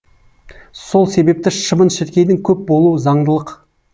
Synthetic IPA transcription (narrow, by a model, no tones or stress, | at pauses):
so̞lˠse̞be̞p̚t̪ɪʃəmənʃet̪kʲe̞d̪ɪŋkʲʰɵp̚bo̞lˠuwəzɑɴd̪əlˠəq